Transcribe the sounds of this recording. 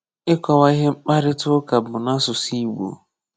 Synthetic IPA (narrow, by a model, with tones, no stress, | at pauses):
ɪ˦kɔ˨wa˦i˦ɦe˦ŋ͡m̩˦k͡pa˦ɾɪ˦tʊ˦ka˨bʊ˨na˦sʊ˨si˦ɡ͡bo̰˨